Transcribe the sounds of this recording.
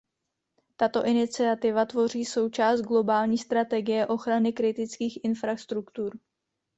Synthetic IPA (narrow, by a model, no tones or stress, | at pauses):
t̪at̪o̞ʔɪnɪt͡sɪat̪ɪvat̪vo̞r̝iːso̞wt͡ʃaːst̪̚ɡlo̞baːlɲiːst̪ɾat̪ɛɡɪjɛʔo̞xɾanɪkɾɪt̪ɪt͡skiːxʔɪnfɾast̪ɾukt̪uɾ